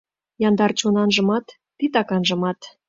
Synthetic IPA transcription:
jɑnd̪ɑrt͡ɕonɑnʒɤ̆mɑt̪ːit̪ɑkɑnʒɤ̆mɑt̪

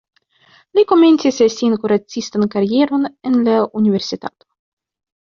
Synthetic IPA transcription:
lʲiko̞menʲt͡sisesinkuɾat͡sːist̪ankaɾʲijeɾonenlaunʲiveɾsʲit̪a̰t̪o̥

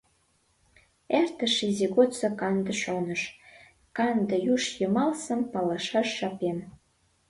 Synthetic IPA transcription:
ert̪ə̆ʃiziɣot̪t͡sɑkɑnd̪ə̆ʃonəʃ | kɑnd̪ə̆juʃjəmɑlsə̆mpɑlɑʃɑʃːɑpen

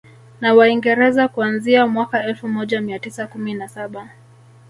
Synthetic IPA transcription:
nawaiŋɡɛɾɛzakuanziamwakaɛlfumɔʄamiatisakuminasaɓa

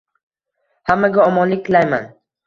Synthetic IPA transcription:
hamːaɡʲaɒmɒnlɪt̪ʰlajman

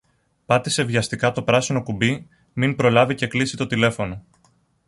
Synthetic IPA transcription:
pɐt̪ise̞vʝɐst̪ikɐt̪o̞pɾɐsino̞kubi | minpɾo̞lɐvice̞klisit̪o̞t̪ile̞fo̞no̞

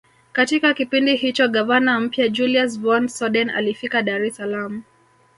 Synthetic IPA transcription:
katikakipindihit͡ʃɔɠavanam̩pjad͡ʒulias̬vɔnsɔɗɛna̰lifikaɗaɾɛsalamu

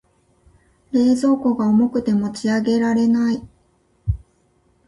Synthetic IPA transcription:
ɾe̞ːzo̞ːko̞ɡaomo̞kɯ̟t̪e̞mo̞t͡ɕiaɡe̞ɾaɾe̞nai

